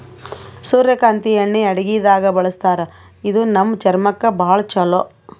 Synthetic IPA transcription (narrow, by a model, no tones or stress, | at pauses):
suːɾjɐkaːnt̪iɐɳːiɐɽɐɡijd̪aːɡɐbɐɭɐst̪aːɾɐ | id̪unɐmːt͡ʃɐɾmɐkːɐbɐːɐɭɐt͡ʃɐlo